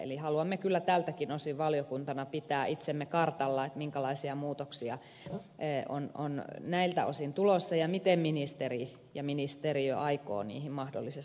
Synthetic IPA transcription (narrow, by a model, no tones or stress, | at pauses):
ḛlihɑluɑmːekylːæt̪æːlt̪ækinosiʋʋɑljokunt̪ɑnɑpit̪æːʔit̪semːekɑrt̪ɑlːɑet̪miŋkælɑisiɑmuːt̪oksiɑː | ʔo̰no̰nnæilt̪æ̰o̰sint̪ulosːɑjɑmit̪emminist̪eri | jɑminist̪eriø̰ʔɑiko̰ːnḭːhimmɑhdo̰lːises